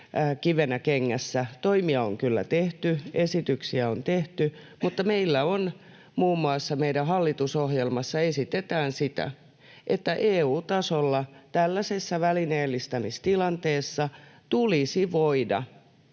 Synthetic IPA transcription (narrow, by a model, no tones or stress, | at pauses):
kiʋenækeŋːæsːæt̪oimiɑoŋkylːæ̰t̪eht̪yesit̪yksiæont̪eht̪y | mut̪ːɑmeilːæon | muːmːuɑsːɑmeiɾæɦɑlːit̪usohjelmɑsːɑesit̪et̪æːnsit̪æ̰ | ʔet̪ːæʔeːuːt̪ɑsolːɑt̪ælːæsesːæʋælineːlːist̪ɑmist̪ilɑnt̪eːsːɑt̪ulisiʋoidɑ̰